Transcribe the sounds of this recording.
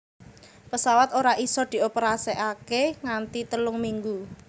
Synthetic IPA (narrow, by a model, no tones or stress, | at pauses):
pəsawat̪oɾaʔisɔd̪̥i̤opəɾaseʔakeŋant̪it̪əlʊŋmiŋɡu